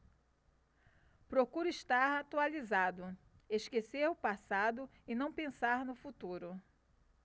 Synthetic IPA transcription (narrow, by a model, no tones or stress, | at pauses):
pɾokuɾʊiʃt̪aɾat̪ualizad̪ʊ | eʃkeseɾʊpasad̪ʊ | ɪnɐ̃w̃pẽsaɾnʊfut̪uɾʊ